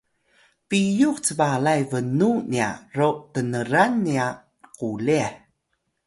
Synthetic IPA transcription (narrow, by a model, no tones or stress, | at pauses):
pijukt͡səvalajvənunia̰rotənəɾanːia | quliħ